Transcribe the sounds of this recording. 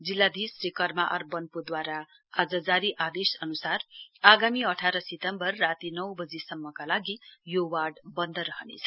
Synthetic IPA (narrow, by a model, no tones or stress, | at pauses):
d͡zilːad̪isrikʌrmaʔʌ̰rbʌnpud̪waɾa | ad͡zʌd͡zaɾiʔad̪esʌnusaraɡamiʌʈʰaɾʌsit̪ʌmbʌrːat̪inʌwbʌd͡zisʌmːʌkalaɡijowarɖbʌnd̪ʱʌɾʌɦʌnḛt͡sʰʌ̥